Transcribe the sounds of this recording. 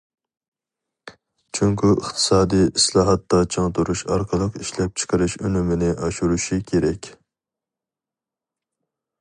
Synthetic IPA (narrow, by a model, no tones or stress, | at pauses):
t͡ʃʰyŋkʲyʔəχt̪ʰɨ̥sɑːd̪ijislˠɑːɦɑt̪ːɑt͡ʃʰɑŋt̪uɾuʃɑ̰ɾqʰəlˠəqiʃlɛp̚t͡ʃʰɨ̥qʰəɾɨʃønymɪnɪʔɑʃuɾuʃikʲʰeɾɛkʲ